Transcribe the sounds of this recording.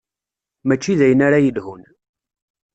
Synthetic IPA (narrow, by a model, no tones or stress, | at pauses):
mæt͡ʃːiðæjənaɾajəlɦun